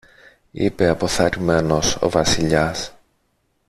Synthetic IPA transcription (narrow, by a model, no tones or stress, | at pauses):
ḭpe̞ɐpo̞θɐɾime̞no̞so̰vɐsiʎɐs